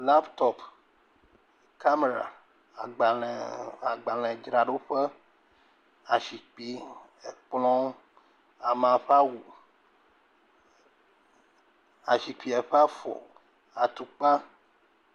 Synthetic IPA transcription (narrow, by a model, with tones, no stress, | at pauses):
la˦pt̪ɔ˨p | ka˦me˨ɾa̰˨ | a˨ɡ͡ba˨lɛ˨a˨ɡ͡ba˨lɛ̃˨d͡ʒɾa˨ɖo˦ɸɛ˦ | a˨ʃi˨k͡pi˦ | e˨k͡plɔ̃˦ | a˨m˨ã˨ɸa˦wu˨ | a̰˨ʃi˨k͡pi˨ɛ˨ɸɛ˦a˦fɔ̰˨ | a˨t̪u˨k͡pa˦